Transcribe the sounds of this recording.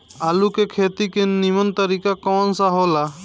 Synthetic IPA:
alukekʰet̪ikenimɔnt̪aɾikakɔnsaɦɔla

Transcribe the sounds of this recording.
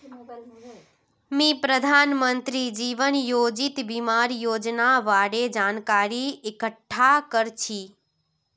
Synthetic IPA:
mĩpɾəd̪ʱanmənt̪ɾid͡ʒiʋənjod͡ʒit̪bimaɾjoːd͡ʒnaʋaɽed͡ʒankaɾiekəʈʰːakəɾt͡ʃʰi

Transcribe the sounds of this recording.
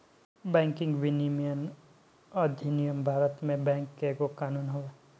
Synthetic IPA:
bɛ̃ːŋkɪ̃ŋɡʋɪnimijən | ɔɾd̪ʱinijəmbʱaːɾət̪mẽbɛ̃ːŋkːekokaːnuːnɦoːeː

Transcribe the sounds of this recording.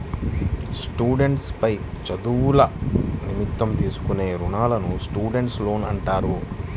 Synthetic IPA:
sʈuːɖe̞ɳʈspɐjt͡ʃɐd̪uːlɐnimit̪ːɐmt̪iːsu̥kune̞ːɾuɳaːlɐnusʈuːɖe̞ɳʈslo̞ːnɐ̰ɳʈaːɾu

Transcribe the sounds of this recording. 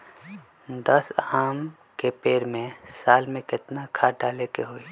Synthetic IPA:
d̪ɐsaːm | kepeːɾmẽsaːlmẽkɪt̪nakʰaːɖaːlekeɦoːiː

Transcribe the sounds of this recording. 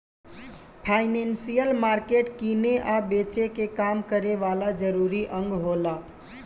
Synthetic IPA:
pʰaɪnensijəlmaɾkeʈkineʔabet͡ʃekekamkəɾeʋalad͡ʒəɾuɾiʔə̃ŋɡɦola

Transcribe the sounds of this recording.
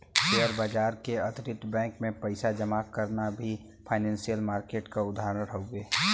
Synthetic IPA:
eəɾbaːd͡ʒaːɾkeɐt̪ɾɪt̪bɛ̃ːŋkmẽpɐɪsad͡ʒɐmaːkəɾnabʱi | pʰaːɪnɛ̃ːnsijəlmaːɾkeːʈkaʊd̪ʱaːɾəɾoʊɡeː

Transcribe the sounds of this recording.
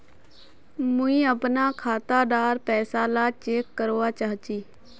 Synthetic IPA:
mʊĩːəpnaːkʰaːt̪aːɖaːɾpɛːsaːlaːt͡ʃeːkːəɾoːaːt͡ʃaːɦt͡ʃiː

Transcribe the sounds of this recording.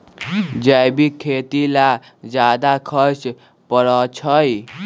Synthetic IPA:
d͡ʒajbikʰːet̪ila | d͡ʒad̪akʰʌt͡ʃ | pəɾɔt͡ʃʰʌj

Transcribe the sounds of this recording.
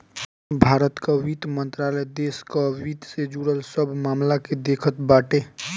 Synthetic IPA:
bʱaːɾət̪kaʋit̪mənt̪ɾaːləjd̪eːskaʋit̪sed͡ʒuɽəlsəbʱmaːmlaked̪ekʰət̪baːʈe

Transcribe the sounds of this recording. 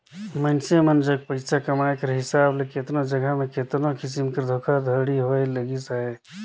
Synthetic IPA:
mənsemɐnd͡ʒɐɡ̚pɐɾɪsakɐmaːkɐɾɦɪsaːbleket̪nod͡ʒɐɡəɦmẽket̪nokɪs̬ɪmkɐɾd̪ʱoːkʰad̪ʱəɾɽiɦoːelɐɡisaːɦeː

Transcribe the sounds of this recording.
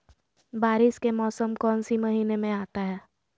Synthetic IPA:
baːɾɪskemɔːsəmkɔːnsimɐɦiːnemẽaːt̪aɦɛː

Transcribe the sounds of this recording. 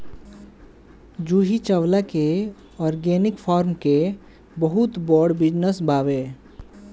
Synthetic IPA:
d͡ʒuɦit͡ʃəwlake | ɔɾɡenikpʰɔɾmke | bəɦut̪bɔɖbid͡ʒnəsbabe

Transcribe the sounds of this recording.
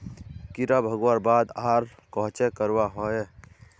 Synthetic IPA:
kɪɾabʱəɡwaːɾbaːd̪aːɾkɔɦt͡ʃekəɾwaɦoɛ

